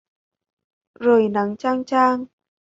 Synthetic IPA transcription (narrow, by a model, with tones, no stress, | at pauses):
zoː˨˩jna˨˦ŋt͡ɕaː˧ŋt͡ɕaː˧ŋ